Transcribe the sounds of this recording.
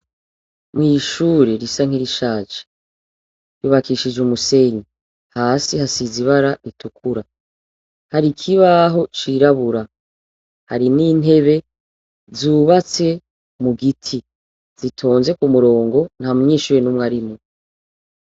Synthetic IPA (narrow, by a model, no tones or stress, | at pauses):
mŋiːʃuːɾeɾisaŋ̥iɾiʃaːt͡ʃe̥ | ɾuːβakiːʃid͡ʒumuse̞ɲi | haːsihasiziβaɾaitukʰuɾa | haɾikʰiβaɦo̞t͡ʃiɾaβuɾa | haɾiniːn̥ɦe̞βe̞ | zuːβat͡se̞ | muɡitʰi | z̥itʰo̞ːnze̞kumuɾo̞ːŋɡo̞n̥hamuɲiːʃuːɾenumŋaɾimo